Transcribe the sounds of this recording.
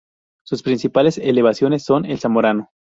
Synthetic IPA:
suspɾinsipale̞sele̞β̞asjo̞ne̞sːo̞ne̞lsamoɾano

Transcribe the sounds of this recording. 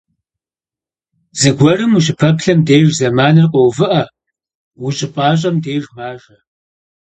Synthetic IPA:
z̥ɨɡʷɔrɨmuɕʼɪpʰɐpɬɐmdeːjʒzɐmaːnɨrqʼɔwvɨʔɐ | wʊɕʼɪpʼɑːɕ̬ʼɐmdeːʒmaːʒɐ

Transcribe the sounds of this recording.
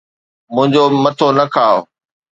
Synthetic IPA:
mʊ̃ɦɪ̃ɲd͡ʑomɐt̪ʰonɐkʰaːo

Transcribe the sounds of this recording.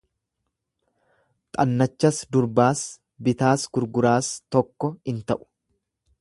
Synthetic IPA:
t̪ʼɐnːɐt͡ʃːɐsd̪ʊɾbaːs | bɪt̪aːsɡʊɾɡʊɾaːst̪ɔkːɔɪnt̪ɐʔʊ̥

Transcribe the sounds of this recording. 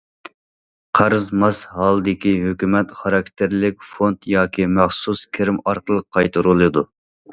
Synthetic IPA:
qʰɑɾzmɑshɑːlˠɨd̪ɪkʲiɦøkʲymɛt̪χɑɾɑk̚ʲt̪ʰɪɾlɪkʲfont̪jɑːkʲʰimæχsuskʲʰeɾɪmɑɾqəlˠəqʰːɑjt̪ʰɨɾulˠɨd̪u

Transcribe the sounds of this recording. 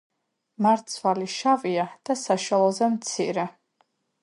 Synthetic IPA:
maɾt̪sʰvaliʃaviad̪̥asaʃwalˠɔzɛmt̪sʰḭɾɛ

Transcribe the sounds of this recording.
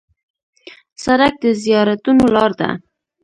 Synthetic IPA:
saɾak̚d̪əzijɑɾat̪unolɑɾd̪a̰

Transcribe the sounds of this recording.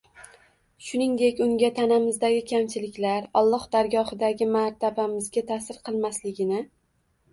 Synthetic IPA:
ʃʊnɪŋd̪e̞kʲʊŋɡʲat̪ʰanamɪzd̪aɡʲɪkʲʰamt͡ʃʰɪlɪkʲlaɾɒlˠːɒhd̪aɾɡɒhɪd̪aɡʲɪmaɾt̪ʰabamɪzɡʲat̪ʰasɪɾqʰɨlˠmaslɪɡʲɪnɪ

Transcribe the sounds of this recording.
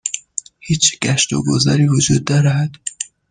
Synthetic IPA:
hiːt͡ʃɡ̥æʃt̪o̰ɡozæɾiːvod͡ʒuːd̪ːæɾæɦæd̪̥

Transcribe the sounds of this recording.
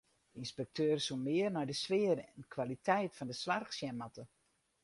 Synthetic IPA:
dinspɛk̚tʰøːrsumɪərnɔjdəsʋɪəɾəɛnkʰʋalitʰɛjtfɔndəsʋarxsjɛnmatə

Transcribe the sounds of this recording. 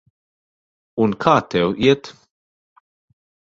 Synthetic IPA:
unkʰɐːt̪ɛwʔjɛt̪

